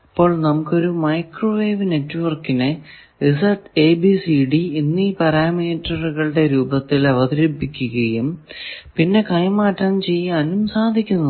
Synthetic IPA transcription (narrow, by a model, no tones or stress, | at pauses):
ɐpːo̞ːɭnɐmukːo̞ɾumɐjkroʋe̞ːʋne̞tːuʋɐrkːinɨ | risɐrʈeːbisiɖiinːiːpɐɾaːmiːtrɐruɣɐɭɨɽe̞ɾuːbɐt̪ːilɐʋɐðiɾɐpːikʲːuɣɐjumpinːe̞kɐjmaːʈːɐnt͡ɕe̞jːaːnumsaːd̪ʱikʲːunːɐ